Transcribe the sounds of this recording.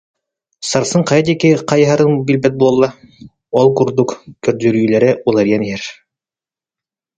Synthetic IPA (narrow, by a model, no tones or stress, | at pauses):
sɑɾsɤɴqɑjɑd̪ikɘqɑjɦɑɾɤŋbilbæt̪̚bulˠɑlˠːɑ | ɔlˠkuɾd̪ukkɵ̆ɾt̪ɵɾjylæɾɘʔulˠɑɾjæniɦæɾ